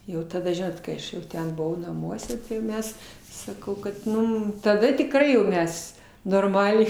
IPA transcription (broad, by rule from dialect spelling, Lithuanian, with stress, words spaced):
ˈjɛʊ tɐˈdɐ ˈʒʲɪnoːt kɐɪ ˈɐʃ jɛʊ ˈtʲɛn bʊˈʋɐʊ nɐˈmuɔsʲɛ tɐɪ jɛʊ ˈmʲɛs sɐˈkɐʊ kɐt ˈmʊm tɐˈdɐ tʲɪkˈrɐɪ jɛʊ ˈmʲɛs noːrˈmɑːlʲɛɪ